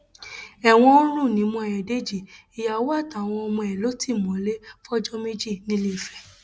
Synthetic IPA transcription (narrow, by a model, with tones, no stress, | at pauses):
ɛ˨w̃ɔ̃˧o˦nũ˦˨nĩ˨˦mɔ̃˧ɛ˨jɛ˨de˦d͡ʒi˦˨ | i˨ja˨˦wo˦a˦˨ta˨w̃ɔ̃˧ɔ˧mɔ̃˧ɛ˨lo˨˦ti˦˨mɔ̃˨˦le˦fɔ˦d͡ʒɔ˦me˦d͡ʒi˦˨nĩ˦le˦˨fɛ˨